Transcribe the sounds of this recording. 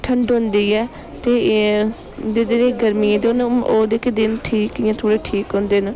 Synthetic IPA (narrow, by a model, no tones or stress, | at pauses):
ʈʰəɳɖɦʊ̃nd̪iːɛː | t̪eː | d̪eːd̪ɪneːɡəɾmiẽːd̪noːd̪eːkeːd̪ɪnʈʰiːkɪːãːt̪ʰoːɽeːʈʰiːkɦõːnd̪eːn